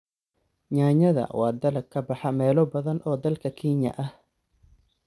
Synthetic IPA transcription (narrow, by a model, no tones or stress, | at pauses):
ɲaːɲɐðɐ̰wɑːd̪ɐlɐkʰːɐbɑħɑmɛːlɔbɐðɐnʔɔːd̪ɐlkʰɐkʰiːɲɐ̰ʔɐh